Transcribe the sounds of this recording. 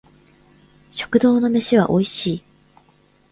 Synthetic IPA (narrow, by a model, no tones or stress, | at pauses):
ɕo̞̥kɯ̟d̪o̞ːno̞me̞ɕiβa̰ʔo̞iɕiː